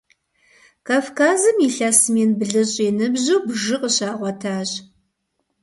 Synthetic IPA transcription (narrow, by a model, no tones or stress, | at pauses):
kʰaːfkʰaːzɨmiɬasmieːnbɨɮɨɕʼeːnɨbʑowbʒɨqəɕaːʁʷɔtʰaːɕʼ